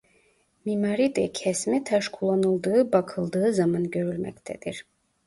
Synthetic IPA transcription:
mimaɾid̪ɛcʰɛsmit̪ʰaʃkʰulˠanɯlˠd̪ɯːbakʰɯlˠd̪ɯːɯzamanɟø̞ɾylʲmɛ̰ct̪ʰɛ̰d̪̥iɾ̥

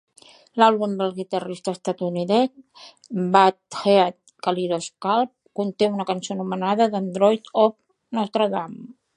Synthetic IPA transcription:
lalˠβumd̪əlˠɣit̪ərist̪əst̪at̪uniðɛs | bat̪xeat̪̚ | kaliɾoskalˠp̚kunt̪eunəkənsonumənaðəðənd̪ɾɔjt̪ɔp̚ | nɔst̪ɾəðam

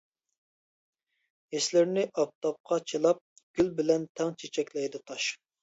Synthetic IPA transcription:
eslɪɾnɪʔɑp̚t̪ʰɑp̚qʰɑt͡ʃʰelˠɑp̚ | ɡ̥ʲylbɪlɛnt̪ʰɛŋt͡ʃʰet͡ʃʰɛkʲlɛjd̪ɨt̪ʰɑʃ

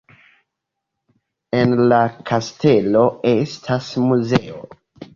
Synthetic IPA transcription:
e̞nlakʰaste̞lo̞e̞stʰasmuze̞o

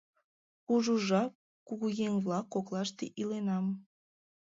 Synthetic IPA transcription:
puʒuʒɑp̚ | kuɣujeŋβlɑkːoklɑʃt̪eʔilenɑm

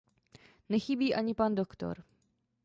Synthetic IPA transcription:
nɛxɪbiːʔaɲɪpandokt̪o̞̰ɾ

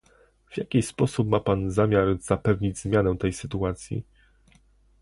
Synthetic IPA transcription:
v̥jakʲispɔsupmapanzamʲjaɾz̥apɛvɲid͡ʑzmʲjanɛ̃t̪ɛjsɘt̪uat̪sʲjḭ

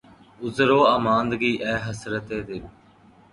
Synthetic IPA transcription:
ʊzɾoːaːmãːnd̪ɡiːʔɛːɦəsɾət̪eːd̪ɪn

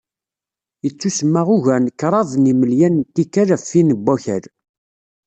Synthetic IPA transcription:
jət͡sːusəmːaʁʊʝænkːɾˤɑðˤniməljænt̪ːikːæɾæfːinəbːæçəɾ

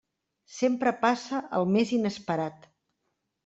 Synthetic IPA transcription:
sempɾəpasəʔəlˠmezinəspəɾat̪

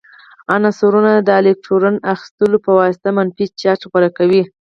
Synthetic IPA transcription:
anasoɾunad̪əalek̚ʈʰoɾanaxi̥st̪əlopəwɑsɪ̥t̪amanfit͡ʃɑʈxbaɾakawi

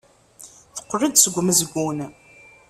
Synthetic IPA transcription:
θə̥qːərəd̪səɡʷməzəɡʷun

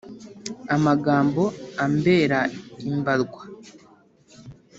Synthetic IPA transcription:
amaɡaːmbo̞ambe̞ːɾaimbaɾɡwḁ

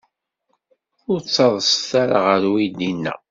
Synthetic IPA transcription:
ʊɾt͡sːɑðˤəsθaɾa̰ʁəɾwid̪inːæ̰

